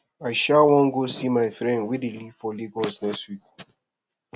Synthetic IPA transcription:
aɪʃawɔ̃ŋɡosimaɪfɾɛ̃ndwidilifɔliɡɔlsnɛkstwik

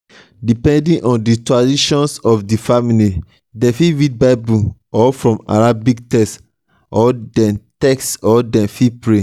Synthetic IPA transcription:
dipɛ̃ndĩnʔɔ̃nditɹadiʃɔ̃nsɔfdifamili | dɛ̃fiɹid̚baɪbuɔfɹɔ̃ma̰ɹabiktɛst | ʔɔdɛ̃ntɛksɔdɛ̃fipɹe

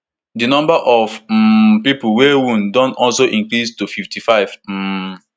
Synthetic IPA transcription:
dinɔ̃mbaʔɔv̩pipuwewũndɔ̃nɔlsoʔĩŋkɾistufiftʰifaɪv̥̩

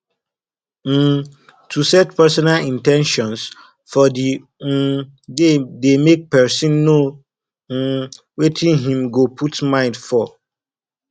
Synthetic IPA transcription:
m̩ | tʰusɛtpɛsɔnalĩntɛ̃nʃɔ̃ns | fɔdi | dedemek̚pɛsĩnːo | wetʰĩnɦĩmɡopʰutmãɪ̃ndfɔ

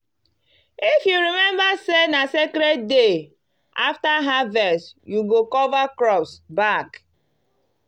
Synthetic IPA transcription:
ifjuɾimɛ̃mbasenasekɾed̚de | a̰ftaɦavɛsjuɡokɔvakɾɔpsbak

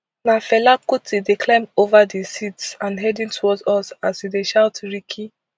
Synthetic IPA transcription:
nafɛlakutideklãɪ̃movadesitsãnɦɛdĩntʰowɔdɔsasideʃaʊtɹikʰi

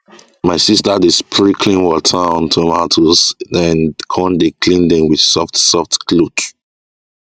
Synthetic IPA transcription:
maɪsistədɪspʰɹikʰlĩnwɔtʰaɔ̃ntʰumatʰuzdɛ̃nkʰɔ̃ndekʰlĩndɛ̃mwið̥sɔftsɔftklut

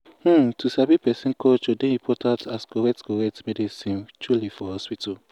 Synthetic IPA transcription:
hũtusabipɛsiŋ̩kɔt͡ʃodẽĩpʰɔtataskoɾɛk̚tkoɾɛk̚tmedisĩnt͡ʃulifɔhɔspitʰo

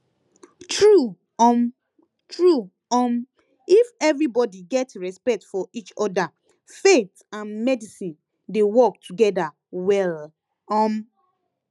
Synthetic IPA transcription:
tʰɹu | ɔm | tɹu | ɔm | ifɛvɹibɔdiɡɛtɹɛspɛk̚tfɔʔit͡ʃɔda | fet | ãnmɛdisĩn | dewɔk̚tʰuɡɛda | wɛl | ɔm

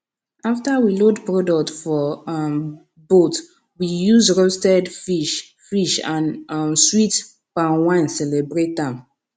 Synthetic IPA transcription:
aftawilodpɹodɔk̚tfɔ | bot | wijuzɹostɛdfiʃ | fiʃãnswit | pãwãnsɛlɛbɹet̚ãm

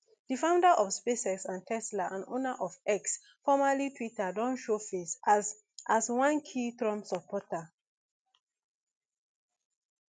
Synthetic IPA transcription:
d̥ifãʊ̃ndaʔɔfspesɛksãntʰɛslaʔãno̰naʔɔfɛks | fɔmalitʰwitadɔ̃nʃofes | ʔaswãnkʰitɹɔ̃msɔpʰɔta

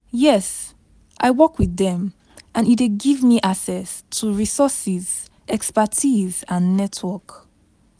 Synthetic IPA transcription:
jɛs | ʔaɪwɔkwiðɛ̃m | ʔãnit̚deɡivmiʔaksɛstʰuɹisɔsiz̥ | ʔɛkspatʰizãnːɛtʰwɔk

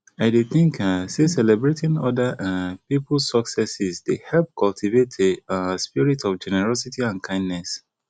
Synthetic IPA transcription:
aɪdeθɪ̃ŋkasesɛlɛbɹetĩnɔ̰daʔapipl̩ssɔksɛsisdehɛlp̚kʰɔltʰivetʰeaspiɹitʰɔfd͡ʒɛnɛɹɔsitʰiãnkʰãɪ̃ndnɛs

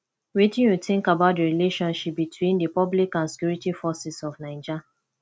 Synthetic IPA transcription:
wetĩnjuθɪ̃ŋkabaʊt̚dəɹileʃɔ̃nʃip̚bitʰwĩndəpɔblikãnsi̥kjuɹitifɔsisɔfnãɪ̃d͡ʒa

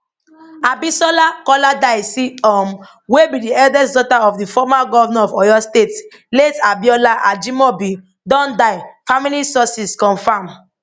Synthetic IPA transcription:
abisɔlakɔladaɪsiɔm | webidiɛldɛsdɔtaɔvdifɔmaɡɔvamɛ̃ɔvɔjɔstet | letabiɔlaʔad͡ʒimɔbi | dɔ̃ndaɪfamilisɔsiskɔ̃nfãm

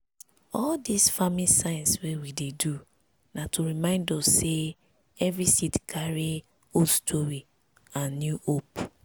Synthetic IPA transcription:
ɔldisfamisãɪ̃nswewidedu | natʰuɾimãɪ̃ndosse | ɛvɾisitkʰaɾi | ostʰoɹi | ãnːjuʔop

